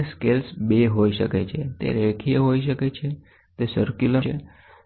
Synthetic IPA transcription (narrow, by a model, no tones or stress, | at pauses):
skelsbeɦoiʃəket͡ʃʰet̪ḛɾekʰijəɦoiʃ̬əket͡ʃʰe | t̪esəɾkjuləe